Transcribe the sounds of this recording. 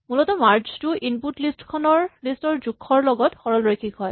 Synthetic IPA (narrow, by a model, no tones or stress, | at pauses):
mulɔtɔmaɹt͡ʃtʊʔinputlistkʰɔnɔɹlistɔɹzukʰːɔɹlɔɡɔtxɔɹɔlɹɔjkʰikɦɔj